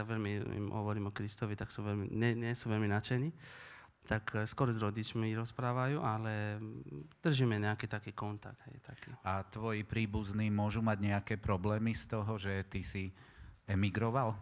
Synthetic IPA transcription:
aʋɛʎmiḭmɦɔ̰ʋɔɾiːmɔkɾist̪ɔʋit̪aksuʋɛlmḭɲɛɲɛsuːʋɛlminat͡ʃɛniː | t̪akskɔɾɔzɾɔɟit͡ʃmiɾɔspɾaːʋajuːʔalɛ | d̪̥r̩ʒimɛɲɛakiːt̪akiːkɔnt̪a̰ɡ̚d̪ɦɛjt̪ʰakḭːat̪ʋɔjipɾiːbuzniːmʊɔʒumaɟɲɛakɛːpɾɔblɛːmist̪ɔɦɔʒɛt̪isiɛmiɡɾɔʋal

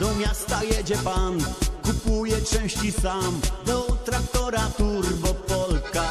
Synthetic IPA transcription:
d̪̥ɔmʲjast̪ajɛd͡ʑɛpankupujɛt͡ʂɛ̃w̃ɕt͡ɕisamd̪ɔt̪ɾak̚t̪ɔɾat̪uɾbɔpɔlka

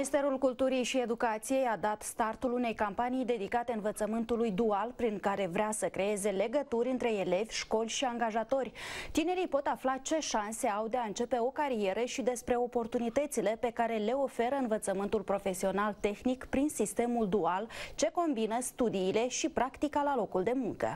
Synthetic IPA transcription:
minist̪e̞ɾulkult̪uɾijʃie̞d̪ukat̪sije̞jad̪at̪st̪art̪ulune̞jkampanijd̪e̞d̪ikat̪e̞ɨnvət̪səmɨnt̪ulujd̪ualpɾiŋkaɾe̞vɾʲeasəkɾe̞e̞ze̞le̞ɡət̪uɾʲɨnt̪ɾe̞ele̞vʲʃko̞lʲʃiaŋɡaʒat̪o̞rʲt̪ine̞ɾijpo̞t̪aflat͡ʃe̞ʃanse̞awd̪eaɨnt͡ʃe̞pe̞o̞kaɾie̞ɾəʃid̪e̞spɾe̞o̞po̞rt̪unit̪ət̪sile̞pe̞kaɾe̞le̞o̞fe̞ɾəɨnvət̪səmɨnt̪ulpɾo̞fe̞sio̞nalt̪e̞xnikpɾinsist̪e̞muld̪ualt͡ʃe̞ko̞mbinəst̪ud̪iːle̞ʃipɾakt̪ikalalo̞kuld̪e̞muŋkə̰

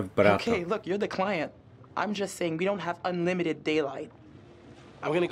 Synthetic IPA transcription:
vb̥ʌɾkʰeɪlʊkjə˞ðɨkʰl̥aɪɨ̃nt̚ | ʔã̰ɪ̃md͡ʒʌstseɪɪ̃ŋwiɾõʊ̃nt̚ɦəvʌ̃nlɪ̃mɨɾɨd̚eɪlaɪt̚ | ãɪ̃mɡʌnɨɡ

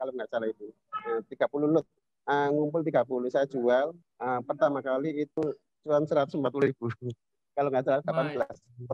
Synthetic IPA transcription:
kaloŋɡaʔt͡ʃalait̪u | ət̪iɡ̥apululʊt̪̚ | əŋumpʊlt̪̬iɡ̥apulʊsajḁd͡ʒual | əpərt̪amakaliːt̪u | t͡ʃuansəɾat̪̚səmpat̪uladib̥u | kaloŋɡaʔt͡ʃalaɡ̥apanb̥əlas | mpə

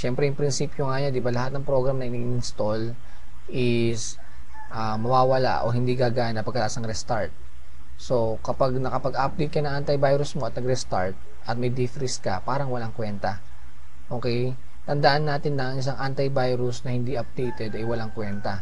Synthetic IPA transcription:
ʃɛmpɾɛjʊŋpɾɪnsiːpjoŋaɲand̪ɪbalɐhat̪̚nɐŋpɾo̞ɡɾɐmnɐʔɪniɪnst̪o̞l | ʔɪs | ʔamɐwaːwɐla̰ʔo̞̰ɦɪnd̪iɡaɡaːnɐpɐɡkɐlaʔasnɐŋɾɛst̪aɹt̪̚ | so̞ | kɐpaɡ̚nɐkɐpɐɡap̚d̪ejt̪̚kːɐnɐŋʔant̪ɐjbajɾʊsmoɐt̪̚nɐɡɾɛst̪a̰ɹt̪̚ | ʔɐt̪̚mɐjd̪ifɾɪskɐ̰paːɾɐŋwɐlaŋkwɛnt̪ɐ | ʔo̞ːkɛj | t̪ɐnd̪ɐʔanːaːt̪ɪnːɐŋʔɪs̬aŋʔant̪ɐjbajɾʊsnɐhɪnd̪iʔɐp̚d̪ejt̪ɛd̪ɐjwɐlaŋkwɛnt̪ɐ

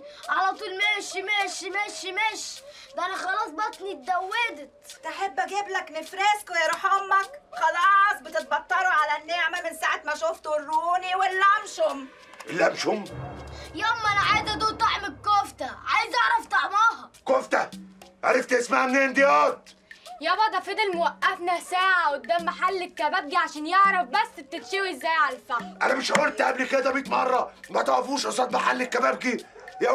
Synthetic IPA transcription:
ʕalɑt̪ˤuːlmeːʃimeːʃimeːʃimeːʃ | d̪ʔænaxɑlɑːsˤbɑt̪ˤnit̪̚d̪æwːeːd̪ɪt̪t̪ʔaħebːʔæɡɪblaknɪfɾeːskʊjɑɾˤɑħomːakxɑlɑːsˤbɪt̪ɪt̪̚bɑt̪ˤːɑɾˤuʕalænːeʕmamɪnsaːʕat̪maʃʊft̪urːuːniwɪlːæmʃʊm | ʔɪlːæmʃʊm | joːmʔænaʕad̪ad̪uːt̪ˤɑʕmɪkːoːft̪aʕajzʔɑʕɾˤɑft̪ˤɑʕmɑːhɑkoft̪æʔæ̰ɾeft̪ʔesmaʕmneːnd̪ejɑːt̪̚jæbɑd̪ˤɑfed̪elmowæʔːæfnæsæːʕawed̪ːæmːaħalːekːæbæb̚ɡiʕaʃæːnjeʕɾˤɑfbæsːb̚t̪et̪ʃæwizːæjʕalælfæʔænæmeʃʔæeɾt̪ʔæblked̪æbiːt̪mɑrˤːɑmæt̪ʕɾɑfuːʃʔɑsˤɑːt̪maħalːekːæbæb̚ɡijæ

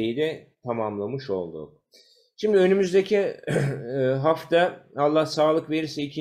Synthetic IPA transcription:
ejid̪ɛt̪ʰamamlˠamɯʃo̞̰lˠd̪ṵ | ʃimd̪iø̞nymyzd̪ecʰiː | ɦaft̪ʰaalˠːahsaːlˠɯkve̞ɾiɾsɛicʰi

